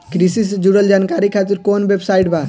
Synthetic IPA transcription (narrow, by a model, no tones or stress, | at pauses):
kɾisisd͡ʒuɽəld͡ʒaːnkaːɾikʰaːt̪ɪɾkoːnʋebsaːɪʈbʱaː